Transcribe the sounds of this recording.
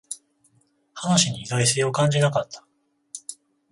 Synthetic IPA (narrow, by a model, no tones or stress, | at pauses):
hanoɕiɲ̟iːd̪ois̬ejokãɲ̟d͡ʑinakat̪ːḁ